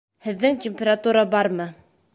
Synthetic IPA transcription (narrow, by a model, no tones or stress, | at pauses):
hɘ̆ðːɘŋtʲɪmʲpʲeɾat̪uɾɑbɑɾmɤ